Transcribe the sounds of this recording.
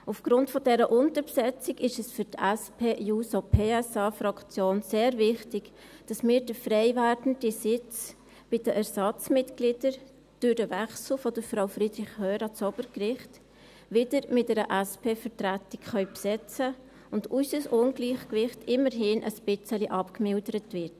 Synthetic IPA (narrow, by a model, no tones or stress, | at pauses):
ufɡ̥ɾʊntfɔdɛɾəʔʊntəɾpsɛt͡sɪɡɪʃɛsfʏɾtæspʰeːjuːsopʰeːɛsɑːfɾɑkt͡sjoːnseːɾvɪχtɪɡ̥ | d̥ɑsmiːɾd̥əfɾɛɪvæːɾdn̩disɪt͡s | b̥ɪd̥əʔæɹsɑt͡smɪtɡlɪd̥əɾ | d̥ʊɾd̥əʋɛχsl̩fɔd̥əɾfɾaʊfɾid̥ɾɪχhœːɾɑt͡sɔb̥əɾkɾɪχt | ʋɪdəɾmɪtdɛɾəʔæspʰeːfəɾtɾætɪkχœʏpsɛt͡sə | ʊndysəsʊnɡliːχkʋɪχtɪməɾɦɪnʔə̰spɪt͡səliʔɑpkmɪldəɾətvɪɾt